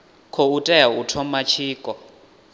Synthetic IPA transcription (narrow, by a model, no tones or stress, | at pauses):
kʰɔutʼɛjautʰɔmat͡ʃʰiːkʼɔ